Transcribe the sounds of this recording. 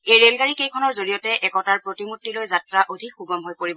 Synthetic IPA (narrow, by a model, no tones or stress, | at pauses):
ejɹelɡaɹikejkʰɔnɔɹzoɹijɔtɛʔɛkɔtaɹpɹotimutːilojzatɹaʔodʱikxuɡɔmɦojpoɹibɔ